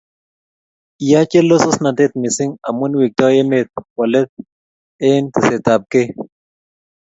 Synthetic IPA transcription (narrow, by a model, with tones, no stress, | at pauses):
i˨ja˦t͡ʃe˦lo˦so˦sna˨de˦t̪̚mɪ˨sɪ˦ŋa̰˨mwu˦nwi˨k̚t̪ɔ˦e˦me˨t̪̚wa˨lɛ˦t̪̚ | e˦nt̪ɪ˨se˨t̪a˨p̚ke˦